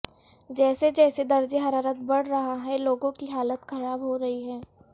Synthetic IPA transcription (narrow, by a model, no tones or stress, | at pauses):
d͡ʒɛːsed͡ʒɛːsed̪ɐɾd͡ʒeɦɐɾaːɾət̪bɐɽ̤ɾɐɦaɦɛloːɡõkiɦaːlət̪xɐɾaːbɦoɾɐɦiɦɛː